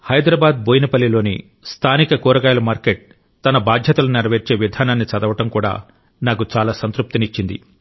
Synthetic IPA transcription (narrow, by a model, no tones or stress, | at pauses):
hɐjd̪ɾɐbaːd̪̚boːjnɐpɐlːilo̞ːnḭ | st̪ʰaːnikɐkuːɾɐɡaːjlɐmaːɾkeʈ̚ | t̪ɐnɐbaːd̪ʱjɐt̪ɐlɐniɾɐʋeɾt͡ʃe̞ːʋid̪ʱaːnaːnːit͡ʃɐd̪ɐʋɐʈɐmkuːɽa̰ː | naːkut͡ʃaːlaːsɐnt̪ɾup̚t̪init͡ʃːind̪ḭ